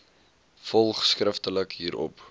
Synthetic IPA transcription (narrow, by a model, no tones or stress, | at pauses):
fɔlˠχskrəftələkɦiːɾɔ̰p